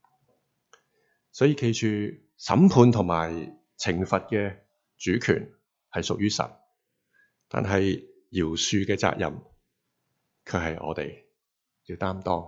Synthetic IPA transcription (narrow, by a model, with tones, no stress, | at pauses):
sɔː˨˥jiː˧kʰe˧jt͡ʃʰyː˨ | sɐ̰˨˥mpʰuː˨˧nt̪ʰʊ˨˩ŋmaː˨˩j | t͡sʰɪ˨˩ŋfɐ˨t̚kɛ˧ | t͡ʃyː˨˥kʰy̰ː˨˩n | hɐ˨jsʊ˨k̚jyː˥sɐ̰˨˩n | t̪a̰ː˨nɦɐ˨j | jiː˨˩wsyː˧kɛː˧t͡sa̰ː˧k̚jɐ̰˨m | kʰɵ˨˧hɐ˨jʔɔ̰ː˨˧t̪e˨j | ji˧wt̪aː˥mt̪ɔː˥ŋ